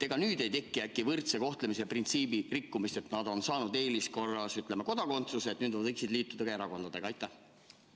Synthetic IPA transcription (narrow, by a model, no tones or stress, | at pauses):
t̪e̞ɡ̥ɑnyːd̪e̞jt̪e̞kːˑiækːˑivɯrt̪se̞ko̞ht̪lemise̞print̪siːbirikːumist̪e̞t̪nɑd̪̥o̞nsɑːnud̪e̞ːlisko̞rːɑsyt̪ˑlemeko̞d̪̥ɑko̞nt̪suset̪nyːd̪vvɤjksid̪̥liːt̪ːˑud̪ɑkɑe̞ɾɑko̞nd̪̥ɑd̪̥e̞ɡ̥ɑɑjt̪ːˑæh